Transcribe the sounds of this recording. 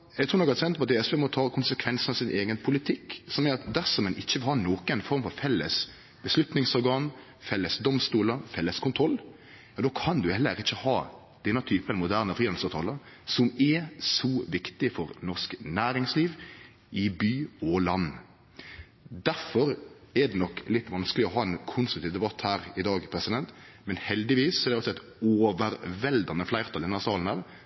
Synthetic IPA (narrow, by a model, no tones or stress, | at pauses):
jæɡt̪ʰɾuːnɔkːæsʰɛnt̪pɔɑt̪̚eːɛsʋeːmɔt̪ʰɑːkʰʊnsəkʰʋɛnsn̩ɑʋsɪnʔeːɡənpʰʊlɪt̪ʰɪkːsɔmæːɾɑt̪d̪æɾsɔmɛnʔɪçːəʋɪlhɑːnoːkənfɔɾmfɔɾfɛlːəs | b̥əslʉt̪nɪŋsɔɾɡɑːn | fɛlːəsd̪ɔmst̪uːləfɛlːəskʰʊnt̪ʰɾɔlː | jɑːd̪oːkʰɑnd̪ʉhɛlːəɾɪçːəhɑː | d̪̥ɛnːət̪ʰyːpənmʊd̪æːʁnəfɾiːɑsɑt̪ʰɑːləɾ | sɔmɛsɔʋɪkt̪ɪfɔɾnɔsknæːɾɪŋsliːʋ | ʔɪbyːɔlɑnː | d̪æɾfɔɾɛd̪ɛnɔkːlɪt̪ːʋɑnsklɪɔɦɑːɛnkʰʊnst̪ɾʉkt̪ʰiːʋd̪ɛbɑt̪hæːɾɪd̪ɑːɡpʰɾɛsɪd̪ɛnt̪ | mɛnhɛld̪ɪʋiːsːɔɛɾdɛɔsɔɛɪt̪ | oːʋəɾʋɛld̪ɑnəflæɪʁt̪ʰɑld̪ɛnæɾsɑːln̩ɑʋ